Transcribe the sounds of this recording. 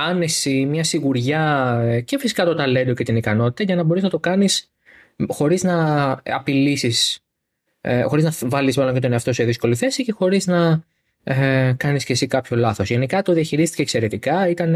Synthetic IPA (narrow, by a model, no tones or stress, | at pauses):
ɐne̞simɲɐsiɣuɾʝɐce̞fisi̥kɐt̪ot̪ɐle̞nd̪o̞ce̞t̪inikɐno̞t̪i̥t̪ɐʝɐnɐbo̞ɾiznɐt̪o̞kɐnis | xo̞ɾiznɐɐpilisis | xo̞ɾiznɐvɐlizmɐlo̞ɲcet̪oineɐft̪o̞se̞ðisko̞liθe̞sice̞xo̞ɾiznɐ | ekɐnisce̞sikɐpço̞lɐθo̞sʝe̞nikɐt̪o̞ðiɐçiɾist̪i̥ceːkse̞ɾe̞t̪ikɐit̪ɐn